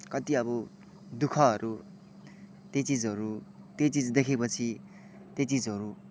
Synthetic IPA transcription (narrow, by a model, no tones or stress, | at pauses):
kʌt̪iʌβʌ | d̪ukʰʌɦʌɾu | t̪jet͡sid͡zɦʌɾut̪jet͡sid͡zd̪ekʰepʌt͡sʰi | t̪jet͡sid͡zɦʌɾu